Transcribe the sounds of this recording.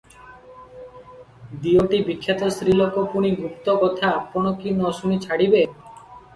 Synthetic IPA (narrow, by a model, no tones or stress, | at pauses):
d̪ioʈibikʰːjat̪ɔsɾilɔkopuɽ̃iɡupt̪ɔkɔt̪ʰaːpɔɽ̃ɔkinɔsunit͡ʃʰaɽibe